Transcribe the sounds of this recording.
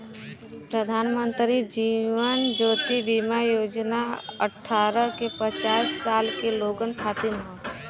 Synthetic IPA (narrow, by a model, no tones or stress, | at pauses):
pɾəd̪ʱaːnmə̃nt̪ɾid͡ʒiʋənd͡ʒoːt̪ibimajoːd͡ʒnaə̰ʈʰːaːɾəkepət͡ʃaːssaːlkeloːɡənt̪ʰaːt̪inɦã